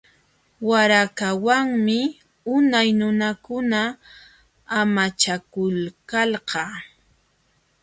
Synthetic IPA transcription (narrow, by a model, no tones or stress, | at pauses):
waɾakawaŋmɪ | ʊnajnʊnakʊna | amat͡ʃakʊlkalɢɑ